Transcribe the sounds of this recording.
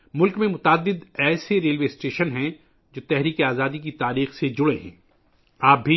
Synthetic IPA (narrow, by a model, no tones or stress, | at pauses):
mʊlkmẽmʊt̪aːd̪ːɪd̪ɛːseɾeːlʋeːɪsʈeːʃənɦɛ̃ | d͡ʒoːt̪ɛɦɾiːkeaːzaːd̪ik̬it̪aːɾiːxsed͡ʒʊɽeɦɛ̰̃ː | aːp̚bʱi